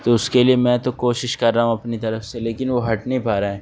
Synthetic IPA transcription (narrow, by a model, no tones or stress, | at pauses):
t̪oʊskeliemɛ̃ːt̪okoːʃɪʃkɐɾːaːɦũɐpnit̪ɐɾəfseleːkɪnʋoɦɐʈnɐɦĩpaːɾaɦɛː